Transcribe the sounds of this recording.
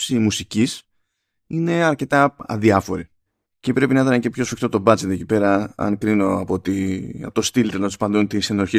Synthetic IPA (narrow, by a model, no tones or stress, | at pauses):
simusicis | ine̞ɐɾce̞t̪ɐɐ̰ðiɐfo̞ɾi | cepɾe̞pinɐit̪ɐnece̞pço̞sfikt̪ot̪o̞bɐt͡set̪oecipe̞ɾɐɐ̰nkɾino̞ɐpot̪ḭt̪ost̪ilt̪enɐt̪ospɐnd̪unt̪isenoɾçi